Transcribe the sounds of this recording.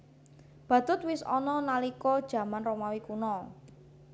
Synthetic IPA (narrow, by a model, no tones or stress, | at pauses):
b̥ä̤t̪ʊt̪̚wɪsɔ̰nɔnalikɔd̥ʒ̥ä̤manromawikunɔ